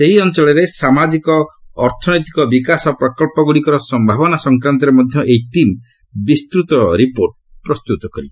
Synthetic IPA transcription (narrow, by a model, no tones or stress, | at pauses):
seɦiɔnt͡ʃɔɭɔɾesamad͡ʒikɔːɾt̪ʰɔnɔjt̪i̥kɔbikasɔpɾɔkɔlpɔɡuɽikɔɾɔsɔmbʱabɔnasɔŋkɾant̪̬ɔɾemɔd̪ʱjɔʔejʈim | bist̪ɾut̪ɔɾipoɾʈ | pɾɔst̪ut̪ɔkɔɾḭ